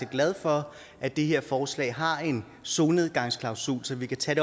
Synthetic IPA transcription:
eɡ̥læð̞ˠfɒ̽ | ʔæd̥e̝ɦe̝ɐ̰fɒːslɛ̰ːɪɦɑ̈e̝n | so̝ːne̝ð̞ˠɡ̥ɑ̈ŋ̰skʰlɑ̈ʊsṵːlsɒ̽ʋikʰæt͡sʰæɾ̥e

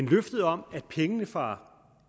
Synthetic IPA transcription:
enløfd̥əð̞̩ˠɒ̽m̰æd̥̚pʰeŋənəfʁɑ̈

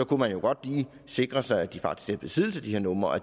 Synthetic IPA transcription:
sɒ̽kʰumænjo̝ɡ̥ɒ̽d̥liː | se̝ɡ̥ʁɐsɑ̈ɪæd̥ifɑ̈ɡ̥d̥isɡ̥æb̥esiðˠl̩sæd̥iheɐnɔ̽mɐæ

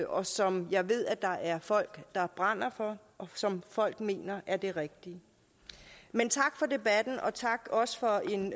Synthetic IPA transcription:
ɒ̽sɒ̽mjɑ̈ɪʋe̝ð̞̰ˠæd̥ɑ̈ʔæɐfɒ̽l̰ɡ̥d̥ɑ̈b̥ʁɑn̰ɐfɒ̽ | ʔɒ̽sɒ̽mfɒ̽l̰ɡ̥me̝̰ːnɐʔæɐd̥e̝ʁɛɡ̥̚d̥i | ment͡sʰɑ̈ɡ̥fɒ̽de̝b̥æd̥n̩ʔɒ̽t͡sʰɑ̈ɡ̥ɒ̽sə̥fɒ̽e̝n

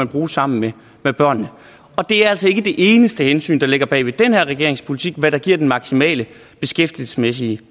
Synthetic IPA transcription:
ænb̥ʁuːsɑ̈m̰n̩me | meb̥ɶɐ̰nːə | ɒ̽d̥e̝æɐæl̰sɒ̽e̝ɡ̥əd̥e̝ʔe̝ːnəsd̥əhensy̰ːnd̥ɑ̈le̝ɡ̥ɐb̥ɛ̰ːʋed̥enheɐ̰ʁɛɡ̥e̝ɐ̰e̝ŋspʰo̝lit͡sʰiɡ̥̚ʋæɾ̥ɑ̈ɡ̥iɐ̰d̥enmɑ̈ɡ̥simɛ̰ːlə | b̥e̝sɡ̥efd̥il̩sə̥smes̬iə

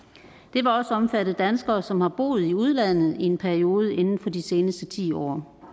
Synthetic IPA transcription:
d̥e̝ʋɑ̈ɒ̽səɒ̽mfæɾð̩ˠd̥ænsɡ̥ɐːsɒ̽mhɑ̈b̥o̝̰ːð̞̩ˠiuð̞ˠlæn̰ð̩ˠie̝npʰæɐio̝ːð̞ˠəʔe̝nn̩fɒ̽d̥ise̝ːnəsd̥ət͡sʰḭːɒ̰ː

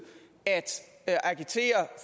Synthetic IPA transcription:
æd̥ʔɑɡ̥it͡sʰe̝̰ːɐf

